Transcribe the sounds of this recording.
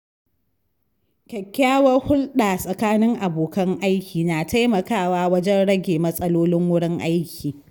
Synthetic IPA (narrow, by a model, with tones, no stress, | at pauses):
kʲɐ˨kʲːaː˦wɐ˦rhʊ˦lɗaː˨sʼɐ˨kaː˦nɪ˦ŋʔa˨boː˨kɐ˦ŋʔa˦jkʲiː˨naː˨tʰa˦jmɐ˨kaː˦˨waː˦wɐ˦d͡ʒɛ˦nɽɐ˦ɡʲeː˨mɐ˦sʼɐ˦loː˦lɪ˦ŋwʊ˦ɽɪ˦ŋʔa˦jkʲiː˨